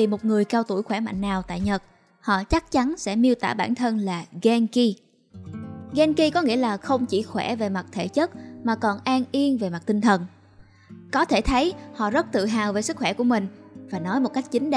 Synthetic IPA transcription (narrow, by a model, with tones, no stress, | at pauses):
i˨˩mo˨˩t̚ŋɨ˨˩əjkaː˧wt̪u˧˩jxwɛː˧˩ma̰˧˨jŋ̟ːnaː˨˩wt̪a̰ː˧˨jɲə˨˩t̚ | hɔ̰˧˨t͡ɕa˦˥k̚t͡ɕa˨˦nsɛ̰˧˥mi˧əwt̪aː˧˩ɓaː˧˩˨nt̪ʰə˧nlaː˨˩ɣɛ˧nki˧ | ɣɛ˧nki˧kɔ˨˦ŋḭ˧˥əlaː˨˩xə˧wŋ͡mt͡ɕḭ˧˩xwɛ˧˩ve˨˩ma˨˩t̚t̪ʰḛ˧˩t͡ɕə˦˥t̚maː˨˩kɔ˨˩nʔaː˧nʔi˧ənve˨˩ma˨˩t̚t̪ï˧ŋ̟t̪ʰə˨˩n | kɔ˨˦t̪ʰe˧˩t̪ʰə˨˦jhɔ̰˧˨zə˦˥t̚t̪ɨ̰˧˨ɦaː˨˩wve˨˩sɨ˦˥k̚xwɛ˧˩ku˧˩əmï˨˩ŋ̟vaː˨˩nɔ˨˦jmo˨˩t̚ka˦˥jk̟̚t͡ɕï˨˦ŋ̟ɗ